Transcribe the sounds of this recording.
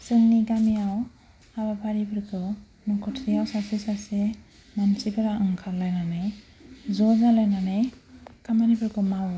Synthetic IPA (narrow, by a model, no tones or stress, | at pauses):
sɯŋniɡamijaw | abapʰaɾibʰɯɾkʰɯ | nɔkʰɔtʰɾijawsasisase | mansipʰaɾaʔɯŋkʰalajnanɯjzɔzalajnanajkʰamanibʰɯɾkʰɯmaw